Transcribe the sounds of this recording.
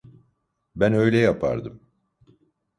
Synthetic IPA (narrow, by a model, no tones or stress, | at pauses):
bænø̞jlʲɛjapʰa̰ɾd̪ɯm